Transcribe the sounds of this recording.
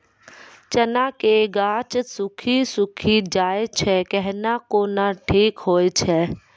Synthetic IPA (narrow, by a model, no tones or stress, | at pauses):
t͡ʃənakeɡaːt͡ʃsʊkʰisʊkʰid͡ʒaːet͡ʃʰɛkɛɦnakoːnaʈʰiːkɦoːet͡ʃʰɛː